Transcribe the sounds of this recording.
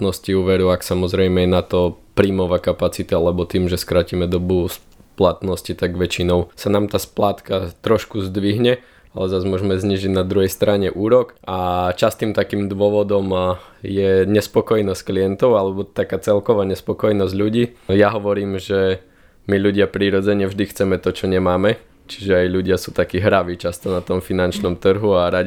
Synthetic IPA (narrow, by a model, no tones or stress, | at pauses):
t̪nɔsciuːʋɛɾuaksamɔzɾɛjmɛɛnat̪ɔpɾiːmɔʋakapat͡sit̪aalɛbɔt̪iːmʒɛskɾacimɛd̪ɔbus | plat̪nɔscit̪aɡʋɛt͡ʃinɔʊsanaːmt̪aːsplaːt̪kat̪ɾɔʃkuzd̪ʋiɦɲɛ | alɛzazmʊɔʒɛmɛzɲiːʒiɟnad̪ɾuɦɛjst̪ɾaɲɛʔuːɾɔkat͡ʃast̪imt̪akiːmd̪ʋʊɔʋɔd̪ɔmjɛɲɛspɔkɔjnɔscklijɛnt̪ɔʊalɛbɔt̪akaːt͡sɛlkɔʋaːɲɛspɔkɔjnɔzɟʎuɟiːjaɦɔʋɔɾiːmʒɛ | miʎuɟɪapɾiɾɔd͡zɛɲɛvʒd̪ixt͡sɛmɛt̪ɔt͡ʃɔɲɛmaːmɛ | t͡ʃi̥ʒɛajʎuɟɪasuːt̪akiːɦɾaʋiːt͡ʃast̪ɔnat̪ɔmfinant͡ʃnɔmt̪r̩ɦuaɾaɟ